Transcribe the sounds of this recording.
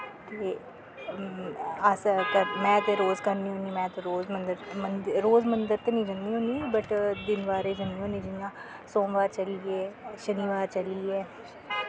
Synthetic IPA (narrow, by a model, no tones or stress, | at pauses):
t̪eː | əskəɾmɛ̃ːt̪eɾoːzkəɾniɦõːniːmɛ̃ːt̪eɾoːzmənd̪əɾmənɾoːzmə̃nd̪əɾt̪eːnĩːd͡ʒəndiːɦõːniɛbəʈd̪ɪnʋaːɾeːd͡ʒəniːɦõːnĩːd͡ʒɪnjãː | sõːʋaːt͡ʃəliɛːʃəniːʋaːɾt͡ʃəliːɛː